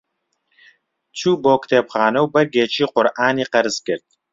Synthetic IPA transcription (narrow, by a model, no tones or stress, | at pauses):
t͡sʰuːboːkt̪ʰeːpχɑːnɐwbɨrɡeːt͡ʃʰiːqʊɾʔaːniːqɐɾɨzkɪrt̪̚